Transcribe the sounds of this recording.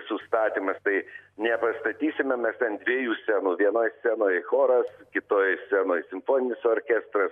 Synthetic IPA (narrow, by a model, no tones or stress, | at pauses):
sʊst̪ɑːt̪ʲiːmɐst̪ɐɪnʲɛpɐst̪ɐt̪ʲiːsʲɪmʲɛmmʲɛst̪ʲɛnd̪ʲʋʲiɛjuːsʲænuːʋʲiɛnoːjsʲænoːjxoːɾɐskʲɪt̪oːjsʲæːnoːjsʲɪmfoːnʲɪnʲɪsoːɾʲkʲæst̪ɾɐs